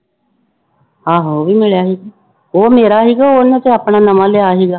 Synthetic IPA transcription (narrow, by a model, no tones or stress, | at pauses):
ɦãːɦoːʋiːmɪɭjaːɦiːɡaː | oːmeːɾaːɦiːɡaːoːnãt̪eːaːpɳaːnəmãːleaːɦiːɡaː